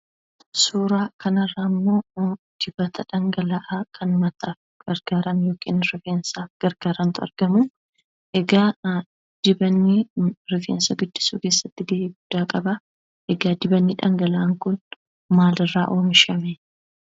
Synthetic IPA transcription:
suːɾaːkɐnɐrːaːmːo̞ː | d̪̥ɪbɐt̪ʰɐᶑɐŋɡɐlɐʔakʰɐnmɐt̪ːaːf | ɡ̥ɐɾɡ̥aːɾɐnjo̞ːkʰʼḭːnɾɪfeːnsaːfɡ̥ɐɾɡ̥aːɾɐnt̪ʊɐ̰ɾɡɐmʊ | ʔɛɡaː | d̪̥ɪbɐnːiɾɪfḛːnsɐɡʊd̪ːɪ̥suːke̞ːsːɐt̪ːɪd̪ɪːiːɡʊd̪̥ːaːkʼɐbɐ | ʔɛɡaːd̪ɪbɐnːɪᶑɐŋɡɐlaʔːŋkʊn | maːlɪrːaːʔo̞ːmɪʃɐmeː

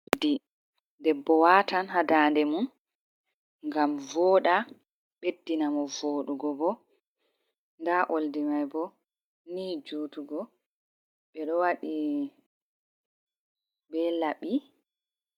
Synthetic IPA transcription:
di | dɛbːɔwatanɦadaːndɛmun | ŋɡamvɔːɗa | ɓedːinamɔvoːɗuɡɔbɔ | ndaʔoldimajbɔ | nid͡ʒuːtuɡɔ | ɓɛɗɔwaɗi | bɛlaɓi

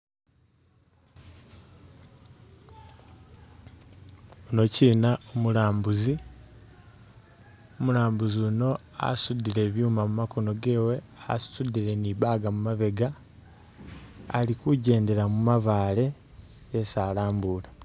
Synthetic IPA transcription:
ono̞cinaomulaːmbuzi | omulaːmbuzuno̞ | a̰sudile̞βjuːmamumako̞no̞ɡe̞ːwe̞a̰ssudiɾe̞niβaɡamumaβe̞ɡa | a̰likuɟe̞ːnde̞ɾamumaβaːle̞ː | saːlaːmbuːla

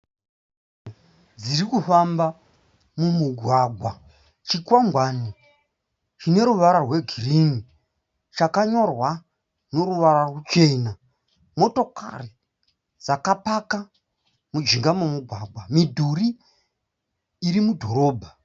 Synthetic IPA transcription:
d͡zirikufamba | mumuɡʱwaɡʱwa | t͡ʃikwamɡwaːni | t͡ʃine̞ɾuʋaɾarwe̞ɡʱirini | t͡ʃakaɲo̞rwa | no̞ɾuʋaɾarwut͡ʃe̞na | mo̞to̞ka̰ri | d͡zakapaka | mud͡ʒiŋɡamumuɡʱwaɡʱwamidʱuri | ɾimudʱo̞ɾo̞ːbʱa

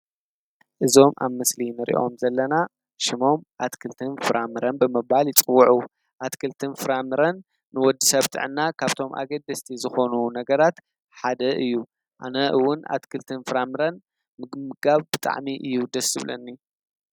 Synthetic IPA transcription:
ʔɨzo̞mʔa̰βmɨslinɨɾʔḭʔo̞̰mzɐlːɐna | ʃɪmo̞mʔat̪kʰɨlt̪ʰɨnfɨɾʔamɨɾɐnbɨmɨβaljɪt͡sʼɨwːuʕu | ʔat̪kʰɨlt̪ʰɨnfɨɾamɨɾɐnː | ɨwɔd̪ːɨsɐβt̪ʰɨ̰ʕɨnːakʰaβt̪ʰo̞mʔa̰ɡɐd̪ɐst̪ʰizɨxo̞nunɐɡɐɾat̪ | ħad̪ɐʔɨjːu | ʔanɐʔɨwːʊna̰t̪kʰɨlt̪ʰɨnfɨɾamɨɾɐn | mɨɡmɨɡaβbɨt̪ʼa̰ʕmiʔɨjːud̪ɐsɨβlɐ̰nːi

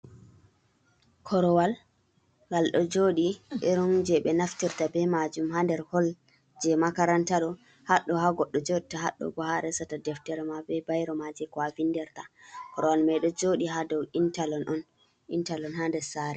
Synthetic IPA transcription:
kʰɔɾɔwal | ɡalɗɔd͡ʒoːɗiɗɛɾund͡ʒɛɓɛnaftiɾtabɛmad͡ʒumɦandɛɾhɔl | d͡ʒɛmakaɾantaɗɔ | haɗːɔɦaɡɔɗːɔd͡ʒoɗitaɦaɗɔ̰ɡɔhaɾɛsatadɛftɛɾɛmabɛbajɾɔmad͡ʒɛkwavinːdɛɾtakɔɾɔwalmɛɗɔd͡ʒoɗiɦadɔwintalɔnʔɔn | ʔintalɔnhandɛsaːɾɛ

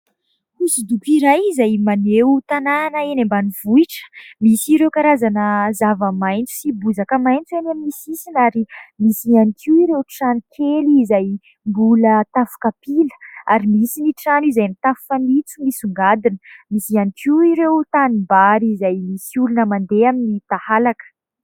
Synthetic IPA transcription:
isid̪upiɾajizajmaneut̪anaːnəenembaniv̥uiʈ͡ʂə̥misiɾewkaɾazanəzavəmajnt͡su̥sibuzakəmajnt͡suenammisisinaɾimisianikʰiwiɾewʈ͡ʂanikʰeliːzaj | mbulət̪afu̥kapilə̥aɾimisiniʈ͡ʂanizajnit̪afu̥fanit͡sumisuŋɡad̪inə̥misianikiiɾewt̪animbaɾizajmisiulunəmand̪eaminit̪ahalakə̥

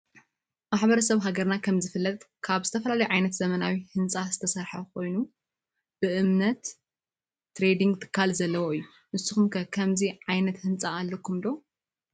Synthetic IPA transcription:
maħbɐɾɐsɐβɦaɡɐɾnakʰɐmzɨfɨlːɐt̪ | kʰaβzɨt̪ʰɐfɐlalɐjʕajnɐt̪z̥ɐmɐnawihɨnt͡sʼazɨt̪ʰɐsɐɾħɐkʰo̞jnu | b̥ɨʔɨmnɐt̪ː | ɾe̞d̪iŋɡt̪ʰɨ̥kʰːalzɐlːɐwoɨjːu | nɨsɨxumkʰɐkʰɐmziʕajnɐt̪hɨnt͡sʼaːlːokʰːumd̪o̞

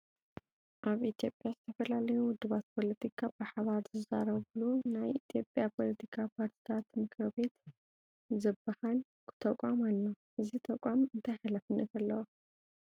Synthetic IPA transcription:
ʔaβit̪jo̞pʼjazɨt̪ʰɐfɐlalɐjuwʊd̪ːɨβat̪̚pʰo̞lɐt̪ʰikʰabɨħaβaɾzɨza̰ɾɐβlunajit̪ʰjo̞pʼjapʰo̞lɐt̪ʰikʰapʰaɾt̪ʰi̥t̪ʰat̪mɨkɾɐβe̞t̪ | zɨbːahal | kʰɨ̥t̪ʰɐkʼamalːo | ʔɨzit̪ʰɐkʷʼamɨnt̪ʰajħalafɨnːɐt̪alːɐwo

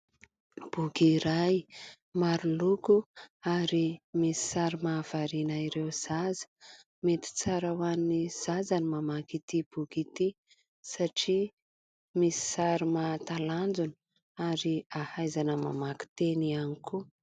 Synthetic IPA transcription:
b̥uɡiɾaj | maɾulukuaɾimisi̥saɾimaːv̥aɾinaiɾewz̥azə̥ | met̪i̥t͡saɾawanːiz̥azanimamakit̪ib̥uɡit̪i | saʈ͡ʂi | misi̥saɾimat̪aland͡zuni̥ | aɾiahajzanəma̰maki̥t̪enianikʰu

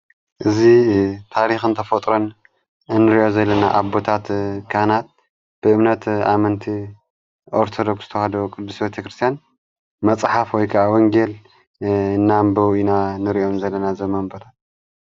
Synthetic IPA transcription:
ʔɨzit̪ʰaɾixɨnt̪ʰɐfɐt̪ʼɾon | nːɨɾiʔo̞zɐlːɐnaʔaβbo̞t̪ʰat̪kʰanat̪̚ | b̥ɨʔɨmnɐt̪a̰mɐnt̪ʰi | ʔoɾt̪ʰod̪o̞ksz̥ɨt̪ʰɐhad̪okʼɨd̪ːusbet̪ʰɐkɾɨst̪ʰjan | mɐt͡sʼħafwɔjkʰɐʔawɔŋɡe̞l | ɨnːambɐwinanɨɾiʔo̞mzɐlːɐnazɐmːɐmbɐt̪at̪

